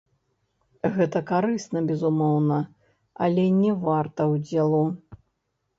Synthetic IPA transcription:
ɣɛt̪ɐkaɾɨsnɐbʲɛzumɔwnɐ | ɐ̰lʲɛnʲɛvart̪ɐwd͡zʲɛlˠu

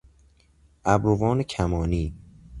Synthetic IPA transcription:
ʔæbɾovɒːnecʰæmɒːniː

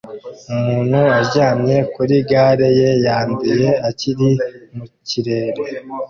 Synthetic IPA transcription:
umuːn̥huaɟaːmje̞kuɾiɡaːɾe̞je̞jaːnduje̞aciɾimuciɾe̞ːɾe

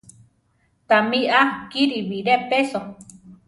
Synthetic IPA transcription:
t̪amiʔakiɾiβiɾepeso

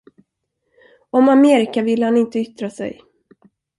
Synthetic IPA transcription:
ɔmameːɾɪkavɪlːəhanɪnt̪əʏt̪ɾasɛ̰j

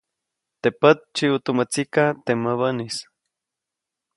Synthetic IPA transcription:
t̪epət̪̚t͡ʃiut̪umət͡sikat̪eməβənis

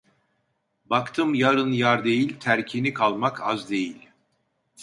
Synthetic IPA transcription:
bakt̪ʰɯmjaɾɯnjaɾd̪e̞jilʲt̪ʰæɾcʰinikʰalˠmakʰa̰zd̪e̞jilʲ

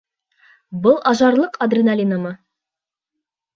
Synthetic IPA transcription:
bʊlˠʔɑʒɑɾlˠəqad̪rʲinalʲinamə

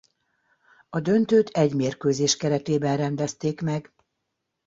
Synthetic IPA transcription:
ɒd̪ø̞nt̪øːt̪ʰɛɟmeːrkøːzeːʃkɛɾɛt̪eːbɛnrɛnd̪ɛst̪eːkmɛɡ

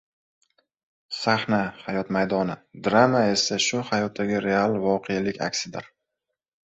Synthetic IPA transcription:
saχnahajɒt̪majd̪ɒnɪd̪ɾamae̞saʃʊhajɒt̪ʰːaɡʲɪɾe̞alˠvɒqʰealɪkʲa̰kʲsɪd̪ɪ̰ɾ

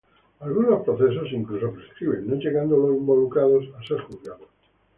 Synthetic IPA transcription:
alɣunospɾoθes̬osiŋklus̬opɾeskiβennod͡ʒeɣand̪oloimbolukɾaðosaseskuθjaðo

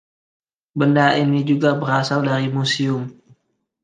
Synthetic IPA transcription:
bəndainid͡ʒuɡabəɾasaldaɾimusiʊm

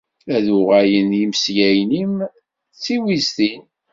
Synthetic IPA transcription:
æðuʁæjənjimsjæjnim | t͡sːiwist̪in

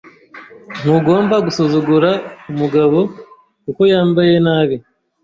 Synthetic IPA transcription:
n̥uɡo̞ːmbaɡusozuɡuɾaumuɡaβo̞ | kuko̞jaːmbaje̞naːβi

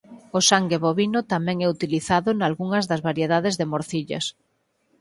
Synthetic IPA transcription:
ʊsaŋɡeβoβinʊt̪amɛ̃ŋɛut̪iliθaðʊnalɣuŋɐzðɐzβaɾjeðaðezðɪmoɾθiʎɐ̰s

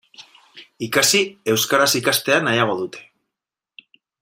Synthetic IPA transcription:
ikasie̞wskaɾasikast̪e̞anajaɣ̞o̞ðut̪ʰe̞̥

